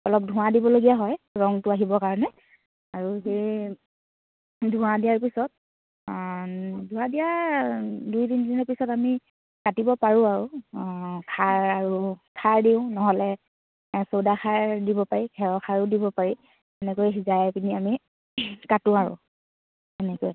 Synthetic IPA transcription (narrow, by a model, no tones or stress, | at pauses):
ɔlɔp̚dʱʊ̃wadibɔloɡijaɦɔjɹɔŋtʊaɦibɔkaɹɔnɛ | aɹuɦej | dʱũadijaɹpisɔt̚ | dʱũadija | dujdindinɔɹpisɔtami | katibɔpaɹʊ̃aɹʊ | kʰaɹaɹukʰaɹdiʊ̃nɔɦɔlɛ | sowdaxʰaɹdibɔpaɹikʰɛɹɔkʰaɹʊdibɔpaɹi | ɛnɛkojɦizajpiniami | katʊ̃aɹʊ̰̃ | ɛnɛkoj